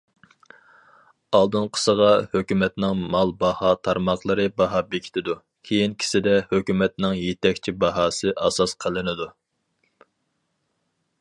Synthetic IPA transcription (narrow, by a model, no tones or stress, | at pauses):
ɑlˠd̪ɨnqʰə̥səʁɑhøkʲymɛt̪nɪŋmɑlˠbɑhɑt̪ʰɑɾmɑχlˠəɾɨbɑɦɑbekʲʰi̥t̪ʰɪd̪u | kʲʰejinkʲʰi̥sɪd̪ɛhøkʲymɛt̪̚nɪŋjet̪ʰɛkʲt͡ʃʰibɑɦɑːsɨʔɑsɑsqʰəlˠɨnɨd̪u